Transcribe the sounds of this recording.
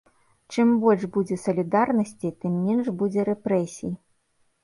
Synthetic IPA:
t͡ʂɨmbɔlʲʐbud͡zʲɛsɐlʲid̪arnɐsʲt͡sʲit̪ɨmːʲɛnʐbud͡zʲɛɾɛpɾɛsʲiji

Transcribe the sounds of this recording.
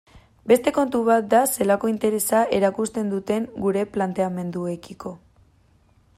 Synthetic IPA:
be̞st̪e̞ko̞nt̪uβat̪̚d̪ase̞lako̞int̪e̞ɾe̞saʔe̞ɾakust̪e̞nd̪ut̪e̞ŋɡuɾe̞plant̪e̞ame̞nd̪ue̞kiko̞

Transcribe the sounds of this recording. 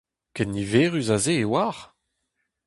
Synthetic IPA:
kɛnːiveːʁyzazeːwaːʁ

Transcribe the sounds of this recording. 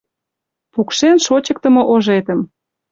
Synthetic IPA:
pukʃenʃot͡ɕə̆k̚t̪ə̆mŏʔoʒet̪əm

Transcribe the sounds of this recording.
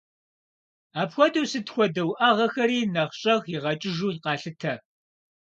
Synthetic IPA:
aːpxʷɔtʰʼusɨtxʷɔdɐwʔɐʁɐxɐɾiːnɐχɕʼɐɣjiʁɐt͡ʃʼɪʒuːqɑːɬɨtʰɐ

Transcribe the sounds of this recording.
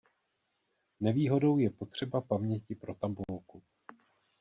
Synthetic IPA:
nɛviːɦo̞do̞wjɛpo̞t̪r̝̥ɛbapamɲɛcɪpɾo̞t̪ambulku

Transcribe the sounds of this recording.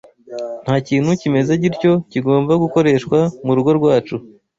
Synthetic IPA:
n̥haːciːn̥hucime̞zeɟiɾco̞ciɡo̞ːmbaɡuko̞ɾe̞ːʃkwamuɾuɡo̞ɾɡwaːt͡ʃu

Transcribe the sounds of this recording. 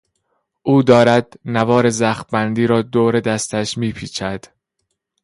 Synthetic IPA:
ʔuːd̪ɒːɾæd̪̥̚nævɒːɾe̞zæxbænd̪iːɾɒːd̪oːɾe̞d̪æst̪ʰæʃmiːpʰiːt͡ʃʰæd̪̥

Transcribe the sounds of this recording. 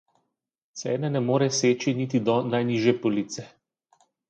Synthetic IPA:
t̪sɛːnɛnɛmoːɾɛseːt͡ʃinit̪id̪ɔnajniːʒjɛpɔlit̪sɛ

